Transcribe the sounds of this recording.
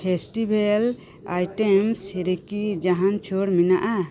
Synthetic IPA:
pʰesʈibʱel | a̰jʈemsheɾekid͡ʒaɦant͡ʃʰoɾminaʔa

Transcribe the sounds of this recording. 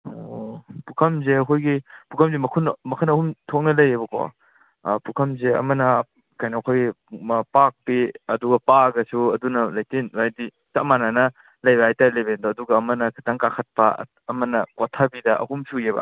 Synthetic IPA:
opukʰɐmzeɐkʰojɡipukʰɐmzemɐkʰunmɐkʰɐnɐhumtʰok̚nɐlɐjebɐkʰɔ̰ | pukʰɐmzeɐ̰mɐnɐ | kajnɐːkʰoj | pak̚piɐduɡɐpaɡɐsuɐdunɐlɐjtinwajdi | t͡ʃamananɐ | lɐjbaajtɐlebendoɐduɡɐːmɐnɐkʰitaŋkakʰɐt̚pɐ̰ː | mɐnɐkotʰabidɐɐ̰humsujebɐ̰

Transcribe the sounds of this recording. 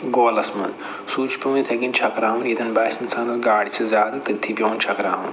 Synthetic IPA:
ɡoːlɐsmɐ̰nd̪ | suːt͡ʃʰpʲɐwnit̪ʰɐɡint͡ʃʰɐkɾaːʋɐnit̪ɐnbɐːsɐnsɐːnɐsɡaːɽit͡ʃʰɐzʲaːd̪ɨt̪ɨt̪ʰːipʲjɐːnt͡ʃʰɐkɾaːʋɐn

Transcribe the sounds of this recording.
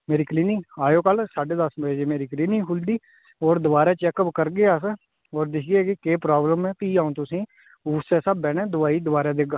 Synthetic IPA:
meːɾiːkliːnɪːaːjoːkəlsaːɖeːd̪əsməeːd͡ʒeːmeːɾiːkliːnɪŋɦʊld̪iː | ɔːɾd̪ʊʋaːɾeːt͡ʃɛːkəpkəɾɡeːaːs | ɔːɾd̪ɪkʰɡekekeːpɾaːbləmɛːpiːaːũːt̪ʊsĩː | uːseːsabbːɛːnɛ̃ːd̪ʊʋaːiːd̪ʊbaːɾeːd̪eːɡaː

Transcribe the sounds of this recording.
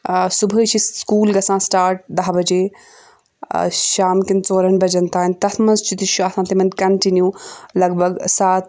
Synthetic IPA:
subʱət͡ʃʰiskuːlɡɐsãːsʈaːɾʈ̚d̪ɐɦbɐd͡ʒeː | ʃaːmkint͡soːɾɐnbɐd͡ʒɐnt̪aːnʲt̪ɐt̪ʰmɐnzt͡ʃʰit̪iʃʰuɐsʰãːt̪imɐnd̪ʲkɐɳʈinjuːlɐɡbʱɐɡsaːt̪̚

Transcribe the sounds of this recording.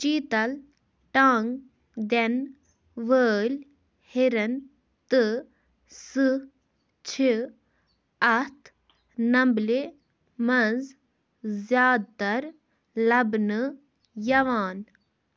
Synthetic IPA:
t͡ʃiːt̪ɐl | ʈaːŋɡ | d̪en | ʋəːlʲ | hiɾɐn | t̪ɨ | sɨ | t͡ʃʰi | ɐt̪ʰ | nɐmble | mɐnz | zjaːd̪̚t̪ɐɾ | lɐbnɨ | jɐʋaːn

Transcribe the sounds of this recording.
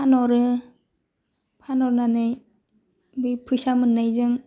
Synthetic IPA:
pʰanɔɾɯ | pʰanɔɾnanɯj | bɯjpʰujsamɯnːajzɯŋ

